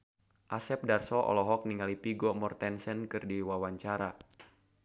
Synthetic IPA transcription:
ʔasɛp̚darsɔʔɔ̰lɔɦɔk̚niŋalipiɡɔmɔrt̪ɛnsɛnkɨrdiwawaɲt͡ʃaɾa

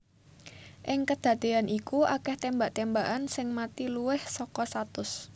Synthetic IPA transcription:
ʔɪŋkəd̪̥ä̤d̪̥e̤anʔikuʔakɛht̪embaʔt̪embaʔansɪŋmat̪iluwɪhsɔkɔst̪at̪ʊs

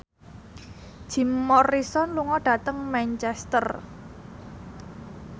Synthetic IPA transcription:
ʒ̥i̤mːɔrisɔnluŋɔɖ̥ä̤t̪əŋmɛnt͡ʃɛst̪ər

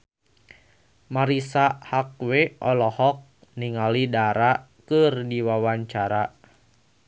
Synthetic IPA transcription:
maɾisahak̚weʔɔlɔhɔk̚ | niŋalidaɾa | kɨrdiwawaɲt͡ʃaɾa

